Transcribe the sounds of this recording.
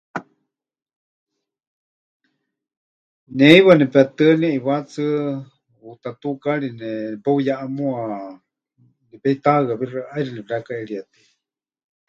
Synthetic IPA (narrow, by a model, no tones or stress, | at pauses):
nɛiβanɛpɛt̪ɨnɛʔiβat͡sɨ | ut̪at̪ukaɺinɛpaujaʔamua | nipɛit̪aɣaβiraʔajɾinɛβiɾakaɛɺiat̪i̥